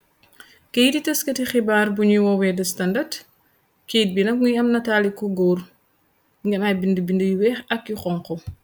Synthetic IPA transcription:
kejititɐskətixibaːɾbuɲuwɔwɛdɐstɐndat | keːt̚binɐk̚ŋujɐmnɐtaːlikːɔɡoɾ | ŋɡɛnajbindəbindəjuwɛːxɐkjuxɔŋkɔ

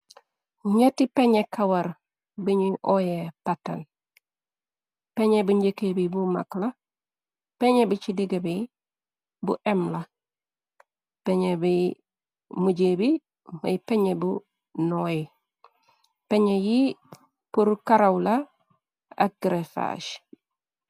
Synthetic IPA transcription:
ɲetipeɲekawaɾ | biɲuʔojepata̰n | peɲebuɲɟekebibuma̰kla | peɲebut͡ʃidiɡebi | bṵʔemla | peɲebij | muɟebi | ma̰jpeɲebu | noji | peɲeji | puɾkaɾawla | a̰k̚ɡɾefa̰ʃ

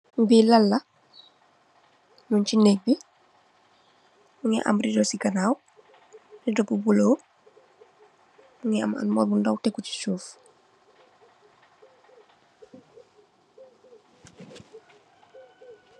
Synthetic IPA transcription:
mbiːlɐlːɐ | nuncinek̚bi | muŋɛ̰ʔa̰mɾidɔsikanaːw | ridɔpubulow | muŋɛa̰ma̰nmɔlbundɔwtɛkuci̥suːf

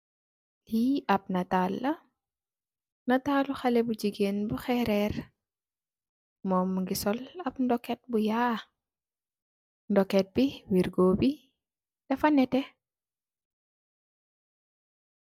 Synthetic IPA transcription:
liɐp̚nɐtalːɐ | nɐtaːluxalɛbud͡ʒiɡeːnbuxɛɾɛr | mɔːmŋɡisɔlɐpndɔkːɛt̚buja | ndɔkɛt̚biwiɾɡoːbi | d̥ɐfɐnːɛtɛ

